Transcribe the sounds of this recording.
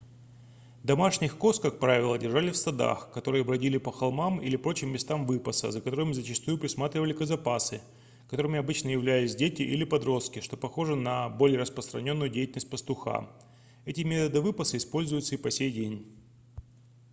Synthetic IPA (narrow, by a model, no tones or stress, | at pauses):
d̪ɐmaʂnʲɪxko̞skak̚pɾavʲɪlˠədʲɪrʐalʲɪfsɐd̪a̰xkɐt̪o̞ɾɨjəɐbɾɐdʲilʲɪpəxɐlˠmamilʲɪpɾo̞t͡ɕɪmʲːɪst̪amvɨpəsə̰zəkɐt̪o̞ɾɨmzət͡ɕɪst̪ujʊpɾʲɪsmat̪ɾʲɪvəlʲɪkəzɐpasɨ | kɐt̪o̞ɾɨmʲɪɐbɨt͡ɕnəjɪvlʲælʲɪsʲdʲetʲɪʔilʲɪpɐd̪ɾo̞st̪̚kʲɪʂt̪o̞pɐxo̞ʐɨnɐbolʲɪjəɾəspɾəst̪ɾɐnʲo̞nːʊjʊdʲejtʲɪlnəsʲtʲpəst̪ʊxa̰ | ɛtʲɪmʲe̞t̪əd̪ɨvɨpəsɨɪspo̞lʲzʊjʊt̪səipɐsʲejdʲenʲ